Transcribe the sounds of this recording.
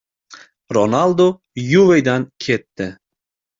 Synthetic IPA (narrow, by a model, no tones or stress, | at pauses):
ɾonalˠd̪o | juvejd̪ankʲʰe̞t̪ːɪ